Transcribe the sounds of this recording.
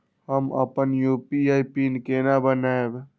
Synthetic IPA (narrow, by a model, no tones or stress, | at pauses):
ɦəmə̰pənjupiaipinkenabənaeb